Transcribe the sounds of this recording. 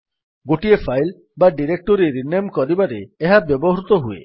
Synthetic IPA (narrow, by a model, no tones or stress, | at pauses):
ɡoʈiepʰajl | baɖiɾek̚ʈɔɾiɾinemkɔɾibaɾeːɦabjɔbɔɦɾut̪ɔɦuḛ